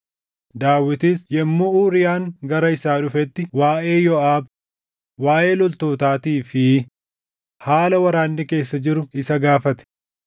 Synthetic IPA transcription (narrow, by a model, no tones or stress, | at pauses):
d̪aːwːɪt̪iːsjɛmːʊuːɾɪjaːŋɡɐɾɐɪsaːᶑʊfɛt̪ːɪwaːʔe̞ːjɔaːb | waːʔe̞ːlɔlt̪oːt̪aːt̪iːfɪ | haːlɐwɐɾaːnːɪke̞ːsːɐd͡ʒɪɾʊɪsɐɡaːfɐt̪ɛ̥